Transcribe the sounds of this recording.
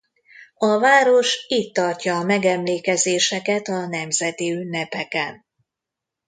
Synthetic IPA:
ɒvaːɾo̞ʃiːt̪ːɒrcɒːmɛɡɛmleːkɛzeːʃɛkɛt̪ɒnɛmzɛt̪iynːɛpɛkɛn

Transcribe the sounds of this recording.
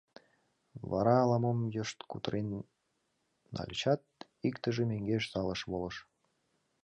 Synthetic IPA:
βɑ̰ɾɑːlɑmomjəʃt̪kṵt̪əɾen | ɑ̰lʲt͡ɕɑt̪̚ | ikt̪əʒemeŋɡeʃsɑləʃβoləʃ

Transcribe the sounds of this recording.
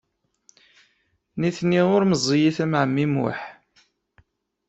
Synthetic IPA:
niθnːiʁʊɾməzˤːjiθæmʕəmːimʊ̰ħ

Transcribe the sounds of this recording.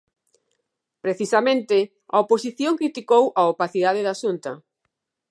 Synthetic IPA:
pɾeθisamẽnt̪ɪ | a̰oposiθjoŋkɾit̪ikowʔaopaθiðað̞ɪðaʃunt̪ɐ

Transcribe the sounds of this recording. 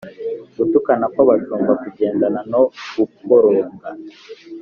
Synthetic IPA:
ɡutukanakwaβatuːmbakuɟe̞ːndananoukkoɾoːŋɡa

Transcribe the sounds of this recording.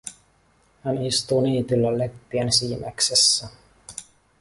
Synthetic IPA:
hænist̪uːniːt̪ylːælepːiænsiːmæ̰ksesːæ

